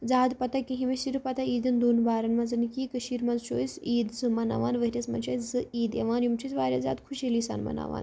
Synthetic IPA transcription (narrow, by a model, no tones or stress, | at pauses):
d͡zaːd̪pɐt̪ɐkiɦimesiɾpɐt̪aiːd̪ɨnd̪oːnbaːɾɐnmɐzɨnikiːkəʃiːɾmɐzʃoːsiːd̪zɨmɐna̰ʋaːnʋɐɦiɾʲɐsmɐ̰nʃajzɨiːd̪ḛʋaːnjumt͡ʃʰit͡sʋaːɾʲja̰za̰ːd̪kʰuʃiliːsa̰ːnmɐ̰na̰ːʋa̰ːn